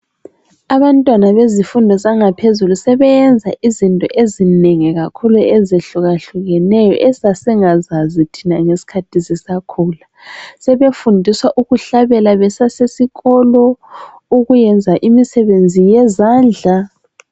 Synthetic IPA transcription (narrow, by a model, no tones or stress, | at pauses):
aβantʼwanaβezifundʱɔzaŋapʰezulusɛβɛjɛnd͡zʱa̰ʔizintʼɔ̰ʔezineŋiɣakʰuluɛzeɬuɣaɬuɣɛnɛjɔ̰ʔɛsasɛŋazazitʰinaŋesi̥kʰatʰisɛsakʰuːla | sɛβefundʱiswaʔuɣuɬaβɛlaβɛsasesiɣɔlɔ | uɣujɛnd͡zʱaʔimisɛβend͡zʱijɛzaːnd͡ɮʱa